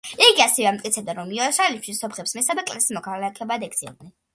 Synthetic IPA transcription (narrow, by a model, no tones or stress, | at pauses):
iɡiasɛvɛamt̪ʼkʼit̪sʰɛbd̪aɾɔmiɔʃalipʰʃisɔpχɛpsmɛsabɛkʼlɛsimɔkʰalakʰɛbad̪ɛk̪sʰɛ̰d̪nɛn